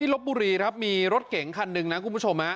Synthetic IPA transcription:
iː˥˩lo˦˥p̚buː˧ɾiː˧kɾa˦˥p̚miː˧ɾo˦˥t̪̚ke˨˩˦ŋkʰa˧nːɯ˧ŋna˦˥kʰu˧nbu˦˥˩t͡ɕʰo˧mha˦˥

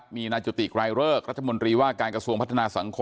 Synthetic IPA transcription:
miː˧naː˧t͡ɕu˨˧˩t̪i˨˩k̚ɾa˧jɾɤː˥˩k̚ɾa˦˥t̚t̪ʰa˧mo˧nt̪ɾiː˧waː˥˩kaː˧nkɾa˧su˧əŋpʰt̪ʰːa˧naː˧sa˩˦ŋkʰo˧

